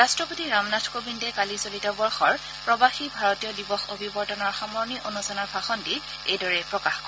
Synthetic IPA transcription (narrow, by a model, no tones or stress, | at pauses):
ɹastɹɔpotiɹamnatʰkobindɛkalisolitɔbɔɹxɔɹ | pɹɔbaxibʱaɹɔtijɔdibɔxobʱibɔɹdɔnɔɹxamɔɹniʔonusanɔɹbʱaxɔndi | ejdɔɹɛpɹɔkaxkɔ